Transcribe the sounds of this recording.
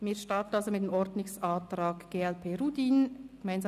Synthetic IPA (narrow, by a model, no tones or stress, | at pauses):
miːɐʃtɑɾtən̩ɑlzomɪt̚deːmɔɾdnʊŋsaːtɾɑːɡɡ̥eːɛlpʰeːɾudiːnɡemaɪnz